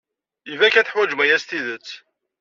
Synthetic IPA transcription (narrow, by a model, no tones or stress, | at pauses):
ivækæθəħwæd͡ʒmæjæst̪iðət͡sː